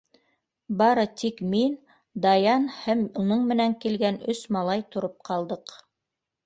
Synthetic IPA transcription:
bɑɾɤt̪ikmin | d̪ɑjɑnhæmunɤɴmɘ̆næŋkilɡænɵsmɑlˠɑjt̪ŏɾop̚qʰɑlˠd̪ɤq

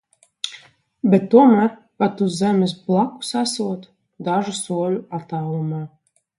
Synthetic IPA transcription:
bɛt̪ːuɔmæːɾ | pat̪uszɛmʲɪs̬blˠaku̥sasuɔt̪ | d̪aʒusuɔlʲuat̪awlˠumaː

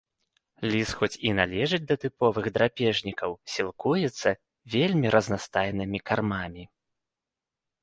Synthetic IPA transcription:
lʲisxɔt͡sʲinalʲɛʐɨd͡zʲd̪ɐt̪ɨpɔvɨɣd̪ɾapʲɛʐnʲikɐwsʲilˠkujɛt̪sːɐ | vʲelʲmʲiɾʔɐznast̪ajnɨmʲikarmamʲi

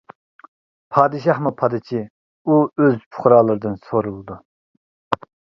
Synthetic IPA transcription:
pʰɑːd̪ɨʃɑhmupʰɑd̪ɨt͡ʃʰi | uøzpʰʊ̥χɾɑːlˠɨɾɨd̪ɨnsoɾulˠɨd̪u

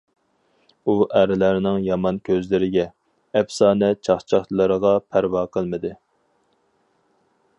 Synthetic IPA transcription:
uʔæɾɪlæɾɪnɪŋjɑmɑnkʲʰøzlɪɾɪɡʲɛ | ɛpsɑːnɛt͡ʃʰɑχt͡ʃʰɑχt̪lˠəɾəʁɑpʰæɾwɑːqʰəlˠmɨd̪ɨ

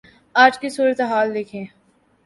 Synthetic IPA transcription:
aːd͡ʒkisuːɾət̪eɦaːld̪ɪkʰẽː

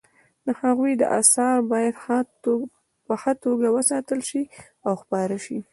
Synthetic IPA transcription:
d̪əhaɣujd̪ə̰ʔasɑɾbɑjad̪ | pəxat̪oɡawəsɑt̪əlʃi | awxpɑɾəʃi

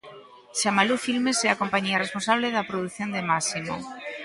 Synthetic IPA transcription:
ʃamalufilmesɛakompaɲiaresponsaβ̞leðɐpɾoðuθjond̪emasimo̰

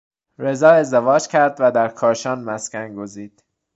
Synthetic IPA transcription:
ɾe̞zɒːe̞zd̪evɒːd͡ʒcʲʰæɾd̪væd̪æɾkʰɒːɾʃɒːnmæscʲænɡoziːd̪̥

